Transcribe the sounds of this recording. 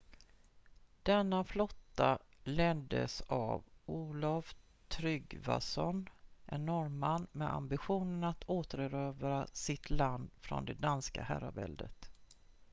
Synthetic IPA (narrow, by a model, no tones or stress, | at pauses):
d̪̥ɛnːaflɔt̪ːalɛnd̪əsa̰vʔuːlaf | t̪ʰɾʏɡva̰sɔnʔɛnːɔɾmanːmɛa̰mbɪɧuːnənat̪ʰoːt̪əɾəɾøːvɾasɪt̪ʰland̪fɾɔ̰nd̪ɛd̪anska̰hæɾabɛ̰ld̪ət̪